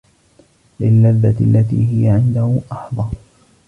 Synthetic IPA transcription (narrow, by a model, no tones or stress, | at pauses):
lɪlːaðːalːat̪ḭːhɪjaʕɪnd̪ahʊʔɑħðˤɑː